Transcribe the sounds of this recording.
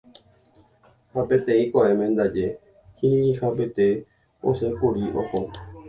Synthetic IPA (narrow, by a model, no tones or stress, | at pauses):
hapẽt̪ẽĩkoaʔẽmẽnd̪ad͡ʒe | hĩĩhapet̪e | o̰sekuɾiʔo̰ho